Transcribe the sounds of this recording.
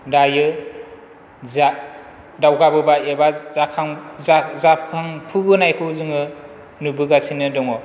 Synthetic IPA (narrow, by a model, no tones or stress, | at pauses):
dajɯ | za | dawɡabɯbaebazakʰaŋzazapʰaŋpʰɯbɯnajkʰɯwzɯŋɯ | nubɯɡasinɯdɔŋɔ